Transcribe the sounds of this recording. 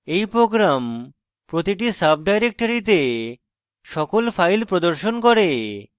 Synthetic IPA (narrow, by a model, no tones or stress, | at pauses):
ejpɾoɡɾam | pɾot̪iʈisab̚ʰɖajɾek̚ʈoɾit̪̬e | ʃɔkolfajlpɾod̪oɾʃonkoɾe